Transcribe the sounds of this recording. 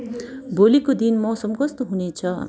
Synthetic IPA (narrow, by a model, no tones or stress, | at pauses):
bolikod̪inmʌsʌmkʌst̪oɦunet͡sʰʌ